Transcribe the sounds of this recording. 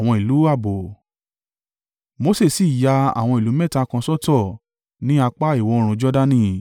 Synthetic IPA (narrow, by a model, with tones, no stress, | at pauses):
w̃ɔ̃˧i˨lu˨˦a˦˨bo˨ | mo˧˦se˦˨si˦˨ja˧a̰˨w̃ɔ̃˧i˨lu˨˦mɛ̃˦˨ta˧kã˧sɔ˦tɔ˦˨ | nĩ˦a˧k͡pa˦i˦˨wɔ˧˦˧ɾ̃ũ˧d͡ʒɔ˦da˦nĩ˦˨